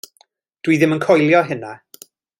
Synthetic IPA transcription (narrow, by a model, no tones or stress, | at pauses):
d̥wiðɪmənkʰɔjlˠjɔɦɪna